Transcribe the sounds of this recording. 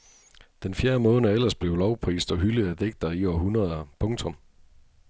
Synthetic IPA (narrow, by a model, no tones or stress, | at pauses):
d̥enfjæːɐmɔ̽ːnəæel̰ɐsb̥le̝ʊlɒʊpʰʁḭːsd̥ɒ̽ɦyləð̩ˠæd̥eɡ̥̚d̥ɐiɒɦunʁɐð̞ˠɐpʰɔ̽ŋt͡sʰɔ̽m